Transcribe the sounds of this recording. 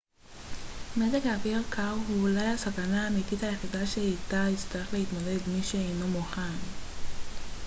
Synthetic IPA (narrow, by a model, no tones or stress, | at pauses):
medeɡaviʁkʰaʁɦuːlajhasakanaːmitithajeχidaʃeitait͡st̪aʁe̞χle̞hidtmode̞dmiʃeejno̞muχan